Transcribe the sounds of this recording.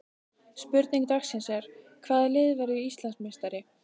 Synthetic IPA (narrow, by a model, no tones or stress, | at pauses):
spʏɾt̪niŋk̚t̪axsɛnsɛɾ̥ | kʰvaːðalɪːðvaɾʏist̪lansmest̪aɾɪ